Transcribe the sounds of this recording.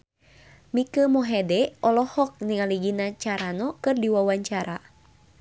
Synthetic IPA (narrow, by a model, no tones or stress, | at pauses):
mikəmɔɦɛdɛɔlɔhɔk̚niŋaliɡinat͡ʃaɾanɔkɨrdiwawaɲt͡ʃaɾa